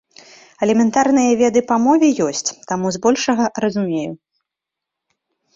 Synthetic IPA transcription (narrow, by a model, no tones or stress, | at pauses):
ɛlʲɛmʲɛnt̪arnɨjɐvʲɛd̪ɨpɐmɔvʲɛjɔsʲt͡sʲt̪amuzbɔlʲʂɐɣɐɾɐzumʲeju